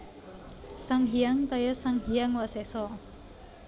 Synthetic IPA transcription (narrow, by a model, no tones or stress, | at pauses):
saŋɦijaŋt̪ajəsaŋɦijaŋwasɛsɔ